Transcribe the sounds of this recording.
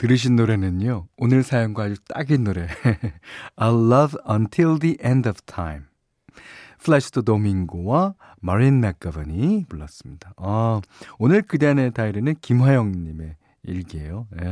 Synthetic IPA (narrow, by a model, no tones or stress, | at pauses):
tɯɾɯɕ̬ʰinːoɾe̞nɯɲoonɯɭsʰajʌŋɡwaad͡ʑut͈a̰ɡinːoɾe̞ | alːʌvʌntʰild̪iʔendʌv̥tʰajm | pʰɯɭeɕʰi̥tʰodomiŋɡowa | maɾinmak̚k͈abɯɲipuɭːʌs͈ɯmɲid̥aʌonɯɭkɯde̞ane̞taiɾenɯnkimɦajʌŋɲime̞ | iɭɡiejoje